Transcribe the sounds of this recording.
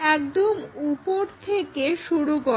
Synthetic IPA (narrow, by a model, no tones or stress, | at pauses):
ɛkd̪omupoɾt̪ʰekeʃuɽuɡɔ